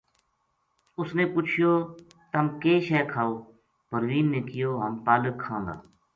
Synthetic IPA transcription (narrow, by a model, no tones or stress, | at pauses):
ʊsneːpʊt͡ʃʰɪjoː | t̪əmkeːʃɛːkʰaːoː | bʱəɾʋiːnːeːkɪjoːɦəmpaːləkʰːãːnd̪a̰ː